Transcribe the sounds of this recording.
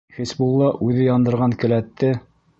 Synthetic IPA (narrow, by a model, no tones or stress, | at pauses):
χisbulˠːɑʔʉðɘjɑnd̪ɤ̆ɾʁɑŋkɘ̆læt̪ːɘ